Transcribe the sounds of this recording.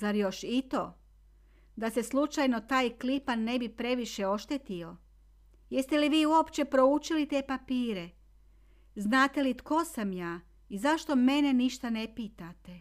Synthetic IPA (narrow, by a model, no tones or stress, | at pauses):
zaɾjo̞ʃit̪o̞ | d̪ase̞slˠut͡ʃajno̞t̪aːjklipanːe̞bipɾe̞ʋiʃe̞o̞ʃt̪et̪io̞ | je̞st̪eliʋiːuo̞pt͡ɕe̞pɾo̞ut͡ʃilit̪e̞ːpapiːɾe̞ | znaːt̪e̞lit̪ko̞samjaː | izaʃt̪o̞me̞ne̞niʃt̪ane̞piːt̪at̪e